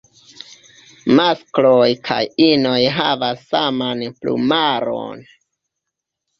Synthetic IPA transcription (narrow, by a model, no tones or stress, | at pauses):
masklo̞jkʰa̰jino̞jɦavasːamanplṵmaɾo̰n